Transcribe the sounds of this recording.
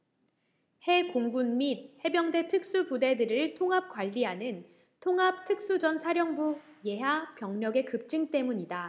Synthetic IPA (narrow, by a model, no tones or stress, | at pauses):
he̞koŋɡunmid̚he̞bjʌŋde̞tʰɯk̚s͈upude̞dɯɾɯɭtʰoŋɦap̚k͈waʎːiɦanɯn | tʰoŋɦap̚tʰɯk̚s͈ud͡ʑʌnsʰaɾjʌŋbuje̞ɦapjʌŋɲʌɡe̞kɯp̚t͡ɕ͈ɯŋt͈e̞muɲida